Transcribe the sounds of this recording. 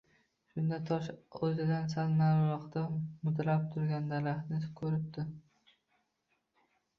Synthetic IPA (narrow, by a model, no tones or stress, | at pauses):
ʃʊnd̪at̪ʰɒʃɵzɪd̪ansalˠnaɾɾɒqd̪amʊd̪ɾap̚t̪ʰʊɾɡʲand̪alahnɪskʰɵɾɪp̚d̪ɪ